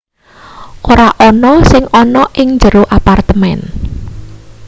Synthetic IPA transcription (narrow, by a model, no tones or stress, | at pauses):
ʔoɾaʔɔnɔsɪŋɔnɔʔɪŋd͡ʒəɾoʔapart̪əmɛn